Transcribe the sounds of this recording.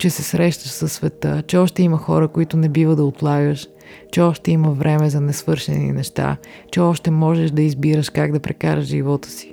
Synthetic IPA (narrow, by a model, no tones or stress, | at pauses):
t͡ʃɛsɛsɾɛʃt̪əʃsɐsːvɛt̪ət͡ʃɛɔʃt̪ɛiməxɔ̰ɾəkoit̪ʊnɛbivəd̪ɐot̪lˠaɡəʃ | t͡ʃɛɔʃt̪ɛiməvɾʔɛmɛzɐnɛsvɤɾʃɛ̰nḭnɛʃt̪a̰t͡ʃɛɔʃt̪ɛmɔʒɛʃd̪ɐizbiɾəʃkaɡd̪ɐpɾɛkaɾəʒʒivɔt̪ə̥si̥